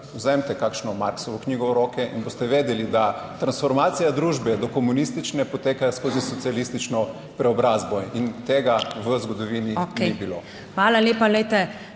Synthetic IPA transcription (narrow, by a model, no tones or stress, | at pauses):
uzɛmt̪ɛkakʃnɔmaɾksɔʋɔknʲiːɡɔʊɾɔːkɛʔḭnbost̪ɛʋeːd̪ɛlid̪at̪ɾansfɔɾmaːt̪sijad̪ɾuːʒbɛd̪ɔkɔmunist̪it͡ʃnɛpɔt̪eːkajskoːzisɔt̪ialist̪it͡ʃnɔ | pɾɛɔbɾazbɔint̪eːɡaʋəzɡɔd̪ɔʋiːniknibilo | xʋaːlaleːpalɛjt̪ɛ